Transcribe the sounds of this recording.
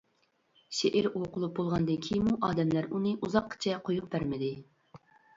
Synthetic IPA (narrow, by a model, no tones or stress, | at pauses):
ʃeʔɪɾoqʰʊlˠup̚bolˠʁɑnd̪ɨnkʲʰijmuʔɑːd̪ɛmlæɾunɨʔuzɑqʰːə̥t͡ʃʰɛqʰojuq̚b̥æɾmɪd̪ɪ